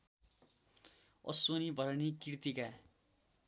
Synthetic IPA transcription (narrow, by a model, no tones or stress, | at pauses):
ʌ̰sonibʱʌɾʌnikirt̪ika